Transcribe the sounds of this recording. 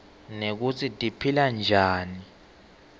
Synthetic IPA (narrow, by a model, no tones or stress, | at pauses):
nek̬ut͡sʰitʼipʰiland͡ʒʱaːni